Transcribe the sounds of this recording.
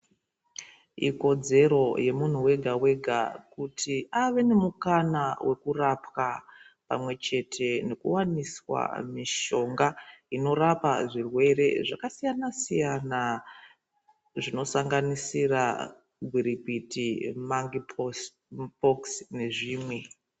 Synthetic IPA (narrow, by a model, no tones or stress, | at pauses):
ḭko̞d͡ze̞ɾo̞je̞mun̤uwe̞ɡʱawe̞ɡʱa̰kutʰiaʋe̞ne̞mukanawʔe̞kurapka | pa̰mwe̞t͡ʃe̞tʰe̞ne̞kṵwaniswa̰miʃo̞ŋɡaino̞rapaʐirwe̞ɾe̞̰ʐakasijanasijana | ʐino̞saŋɡanisira | ɡʱwiɾipitimaŋ | poksne̞ʐiːmwe̞